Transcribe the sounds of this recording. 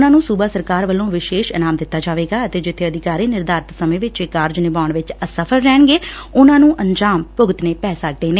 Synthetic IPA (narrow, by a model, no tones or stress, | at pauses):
nãːnũːsuːbaːsəɾkaːɾʋəlːõːʋɪʃeːʃənaːmd̪ɪt̪ːaːd͡ʒaːʋeːɡaːət̪eːd͡ʒɪt̪ʰːeːəd̪ɪkaːɾiːnɪɾd̪aːɾt̪səmẽːʋɪt͡ʃekːaːɾd͡ʒnɪbaːʊɳʋɪt͡ʃəsəpʰəɾɾɛːɳɡeːʊnãːnũːʔəɲd͡ʒaːmpʊɡət̪neːpɛːsaːk̚d̪eːneː